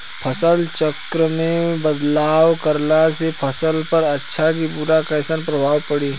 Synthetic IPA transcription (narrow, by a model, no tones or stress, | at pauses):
pʰɐsəlt͡ʃəkɾəmẽbəd̪laːwkəɾlasepʰəsəlpəɾɐtːʃʰakipuːɾakɐsənpɾɐbʱaːwpəɽiː